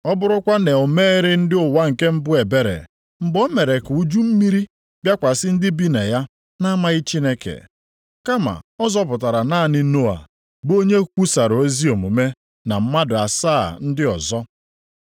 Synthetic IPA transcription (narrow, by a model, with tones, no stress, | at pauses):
ɔ˦bʊ˦ɾʊ˦kʷa˦ne˨o˨meː˦ɾɪ˦n̩˦dɪ˦ʊ˨wa˦ŋ̩˨ke˦m̩˦bʊ˦e˨be˦ɾḛ˨ | m̩˨bɔ˦me˨ɾe˨ku˨u˦d͡ʒu˦m̩˦mi˦ɾi˦ | bja˦kʷa˨sɪ˦n̩˦dɪ˦bi˦ne˨ja˦ | na˦ma˦ɣɪ˦t͡ʃi˦ne˦kḛ˨ | ka˦ma̰˨ɔ˦zɔ˦p̬ʊ˨ta˨ɾa˨na˦˨nɪ˦no˦a̰˨ | bo˦ɲe˦kʷu˦sa˨ɾo˦zi˦o˨mo˨me˦ | na˨m̩˦ma˦dʊ˨a˨saː˦˨n̩˦dɪ˦ɔ˨zɔ˦